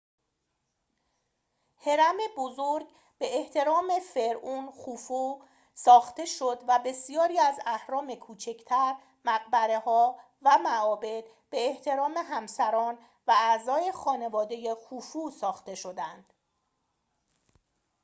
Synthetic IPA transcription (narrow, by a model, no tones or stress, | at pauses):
heɾæme̞bozoɾɡ | b̥e̞ːht̪ʰe̞ɾɒːme̞fe̞ɾuːnxuːfu | sɒːxt̪e̞ʃo̞d̪væbe̞sijɒːɾiːæzæhɾɒːme̞kʰuːt͡ʃʰe̞cʰt̪ʰæɾ | mæɣ̚bæɾe̞hɒː | væmæɒːbe̞d̪̥ | b̥e̞ːht̪ʰe̞ɾɒːme̞ɦæmsæɾɒːn | vææzɒːje̞xɒːne̞vɒːd̪e̞jexuːfuːsɒːxt̪e̞ʃo̞d̪ænd̪̥